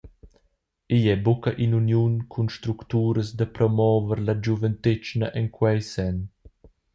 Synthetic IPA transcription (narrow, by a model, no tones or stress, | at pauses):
ijɛbukaʔinunjunkʰunʃt̪ɾukt̪uːɾəsd̪əpɾɔmɔːvəɾlad͡ʒuvənt̪et͡ʃnaʔɛnkwɛjsɛn